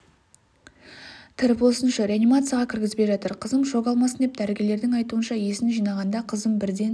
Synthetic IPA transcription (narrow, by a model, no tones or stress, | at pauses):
t̪ʰɪɾpwo̞sənʃɑɾʲeanijmat̪sɨjaʁɑkʲʰɪɾɡʲɪzbeʒɑt̪əɾqʰəzəmʒo̞ɡɑlˠmɑsənd̪e̞p̚d̪æɾɪɡʲe̞le̞ɾd̪ɪŋɑjt̪uənʃɑje̞sɪnʒijnɑʁɑnd̪ɑqʰəzəmbɪɾd̪e̞n